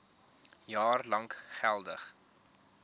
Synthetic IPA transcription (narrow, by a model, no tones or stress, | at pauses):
jɑːrlɐŋkχælˠdəχ